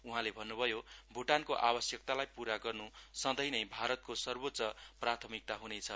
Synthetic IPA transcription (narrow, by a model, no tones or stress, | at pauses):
uɦãlebʱʌnːubʱʌjobʱuʈankoʔabʌsjʌkt̪alajpuɾaɡʌrnusʌd̪ʌjnʌjbʱaɾʌt̪̚kosʌrbotːsʌprat̪ʰʌmik̚t̪aɦunet͡sʰʌ